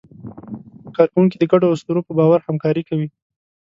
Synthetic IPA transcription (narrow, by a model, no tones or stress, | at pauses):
kɑɾkawuŋkid̪əɡaɖoʊst̪uɾopəbɑwaɾhamkɑɾikawi